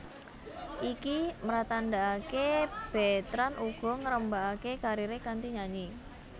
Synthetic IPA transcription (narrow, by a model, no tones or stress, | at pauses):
ʔikiməɾat̪aɳɖaakeb̥ɛt̪ɾanuɡ̥ɔ̤ŋəɾəmbaakekaɾiɾekant̪iɲaɲi